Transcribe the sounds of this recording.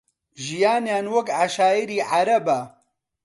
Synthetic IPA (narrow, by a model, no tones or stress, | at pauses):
ʒijaːnjaːnwɐkʕaʃaːjiɾiːʕaɾɐbɐ